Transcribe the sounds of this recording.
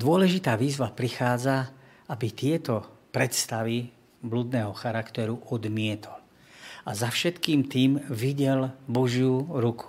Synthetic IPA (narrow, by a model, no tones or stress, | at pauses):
d̪ʊɔlɛʒit̪aːʋiːzʋapɾixaːd͡za | abit̪ɪɛt̪ɔpɾɛt̪st̪aʋi | blud̪nɛːɦɔxaɾakt̪ɛɾuʔɔd̪mɪɛt̪ʰɔ̥l | azafʃɛt̪kiːmt̪iːmʋiɟɛlbɔʒjuɾukʰu̥